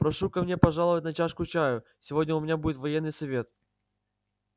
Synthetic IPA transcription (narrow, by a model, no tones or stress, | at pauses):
pɾɐʂukɐmnʲe̞pɐʐalˠəvətʲnɐt͡ɕaʂkʊt͡ɕæjʊsʲɪvodʲnʲəʊmʲɪnʲabudʲɪt̪vɐjenːɨjsɐvʲe̞t̪̚